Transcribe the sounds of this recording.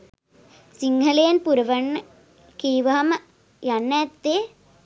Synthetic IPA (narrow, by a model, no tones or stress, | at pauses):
siŋɡʰɐleːnpuɾɐʋɐɳ | kiːʋɐɦɐm | jɐnːɐːt̪ːe